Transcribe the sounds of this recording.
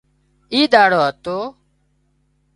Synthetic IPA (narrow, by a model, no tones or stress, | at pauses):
iːd̪aːɽoːɦət̪oː